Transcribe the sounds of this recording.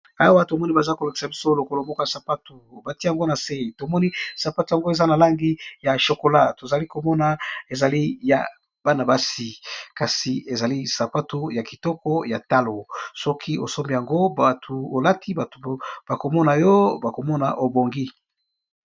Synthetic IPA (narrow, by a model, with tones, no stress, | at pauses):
a˦wa˦to˨mɔ˦ni˦ba˨za˦ko˨la˨ki̥˨sa˨bi˦so˦lo˨ko˨lo˨mɔ˦ko˦ja˨sa˨pa˦tu˨ba˨ti˦ja˨ŋɡo˦na˨se˦˨to˨mɔ˦ni˦sa˨pa˦tu˨ja˨ŋɡo˦e˨za˦na˨la˦ŋɡi˦ja˨ʃo˨ko˨la˦to˨za˨li˦ko˨mɔ˦na˨e˨za˨li˦ja̰˨ | b̥a˦na˨ba˦si˨ka˨si˨e˨za˨li˦sa˨pa˦to˦ja˨ki˨tɔ˦kɔ˦ja˨ta˦lo˨sɔ˦kʰi˦o̰˨so˦mbi˦ja˨ŋɡo˦ba˨tʰu˨o˨la˦tʰi˦ba˨tb̥a˨ko˨mɔ˦na˨jɔ˦ba˨ko˨mɔ˦na̰˨ʔo˨bo˨ŋɡi˦